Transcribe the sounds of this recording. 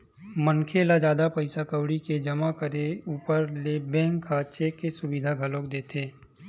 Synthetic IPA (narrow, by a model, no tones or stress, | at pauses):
mənkʰelad͡ʒjaːd̪apɐɪsakəwɽiked͡ʒɐmakəɾeuːpəɾlebɛ̃ːŋkʰːat͡ʃeːkːesʊbɪd̪ʱaɡʱɐlõːkd̪eːt̪ʰeː